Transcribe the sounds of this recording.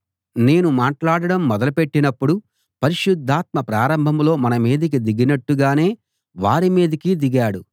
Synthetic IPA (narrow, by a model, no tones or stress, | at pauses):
ne̞ːnumaːʈlaːɽɐɽɐmːɔd̪ɐlupe̞ʈːinɐpːuɽu | pɐɾiʃud̪ʱːaːt̪mɐpɾaːɾɐmbʱɐmlo̞ːmɐnɐmiːd̪ɐk̬id̪iɡinɐʈːuɡaːne̞ː | ʋaːɾimiːd̪ɐkid̪iɡaːɽu